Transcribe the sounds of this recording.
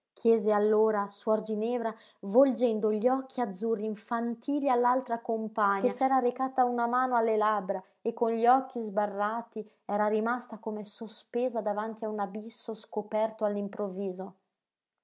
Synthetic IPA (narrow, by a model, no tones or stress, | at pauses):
kʰjɛːzealːoːɾasuard͡ʒinɛːvɾa | vold͡ʒɛnd̪oʎiɔkʰːiad̪zːurːiɱfant̪ʰiːlialːalt̪ɾakompaɲːkesɛːɾaɾekaːt̪aunamaːnoalːelabɾa | ekːonʎiɔkːizbarːaːt̪i | ɛːɾaɾimast̪akomesospeːzad̪avant̪iaunabisːoskopɛrt̪oalːimpɾovːiːzo